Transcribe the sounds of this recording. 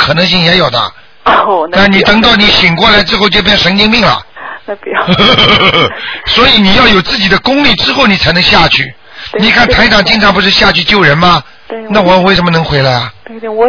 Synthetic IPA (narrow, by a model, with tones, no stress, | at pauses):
kʰɤ˨˩nɤ˧˥ŋɕi˥˩ŋjɛ˧˥jo˨˩ʊd̪ə̰˦ | na˥˩ni˨˩t̪ɤ˧˥ŋt̪ɑ˥˩ʊni˧˥ɕi˨˩ŋkwɔ˥˩la˧˥ɪʈ͡ʂɻ̩˥xo˥˧ʊt͡ɕjo˥˧p̬jɛ˥˩nʂə˧˥ŋt͡ɕi˥˧ŋmi˥˩ŋlɐ̰˨˩ | swɔ˧˥i˧˥ni˨˩jɑ˥˩ʊjo˨˩ʊt͡sɹ̩˥˩t͡ɕi˨˩d̪ə˦kʊ˥ŋli˥˩ʈ͡ʂɻ̩˥xo˥˩ʊni˨˩t͡sʰa˧˥ɪnɤ˧˥ŋɕja˥˧t͡ɕʰy˥˩ | ni˨˩kʰa˥˩nt̪ʰa˧˥ɪʈ͡ʂɑ˨˩ŋt͡ɕi˥ŋʈ͡ʂʰɑ˥ŋp̬u˧˥ʂɻ̩˥˧ɕja˥˧t͡ɕʰy˥˧t͡ɕjo˥˩ʊɻə˧˥nmɐ˧ | na˥˩wɔ˨˩mə˦nwe˥˩ɪʂə˧˥mə˧nɤ˧˥ŋxwe˧˥ɪla˧˥ɪɐ˧